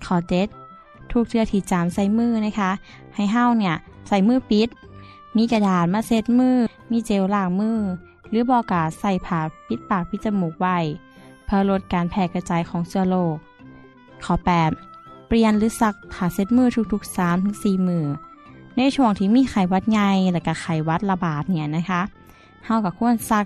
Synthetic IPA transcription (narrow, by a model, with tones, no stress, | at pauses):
kʰɔː˨˩t͡ɕe˧˦˥t̪̚ʰː | u˧˥k̚t̪ʰɯ˧ət̪ʰiː˧˩t͡ɕa˨˩msa˧˩jmɯː˧˥˨na˧˥kʰa˧˥ | ha˨˩jɦa˧˨wni˧˩ɐ | sa˧˩jmɯː˧˨pi˦˥t̪̚ | miː˧˨ka˧daː˨˩t̪̚maː˧se˧˥t̪̚mɯː˧˩˨ | miː˧˨t͡ɕe˧˨wlaː˧˩k̚mɯː˧˥˨ | lɯː˨˦bɔː˧˩ka˧˩sa˧˩jpʰaː˨˧˩pʰi˧˦˥t̪̚paː˨˩k̚pʰi˧˦t̪̚t͡ɕa˧muː˨˩k̚wa˧˩j | pʰɯ˧lo˧t̪̚kaː˨˩npʰɛː˧˩ka˧t͡ɕaː˨˩jkʰɔː˨˦ŋsɯ˧ɐloː˧˩k̚ʰː | a˨˩pɛː˨˩pli˧˨ənlɯː˨˦sa˧k̚pʰaː˧˩se˧˥t̪̚mɯː˧˨t̪ʰu˧k̚t̪ʰu˧k̚saː˨˦mt̪ʰɯ˨˦ŋsiː˧˨˩mɯː˧˩na˧˥˨jt̪ʰu˧˩əŋt̪ʰiː˧˩miː˧˥˨xa˨˩jwa˧t̪̚ŋa˧jlɛː˧˩ka˧˩xʰa˨˩jwa˧˥t̪̚la˧baː˨˩t̪̚ni˧˩ɐna˧˥kʰa˧˥ʔ | ha˧˩wka˧˩kʰu˧˥˨ə˨nsa˧˥k̚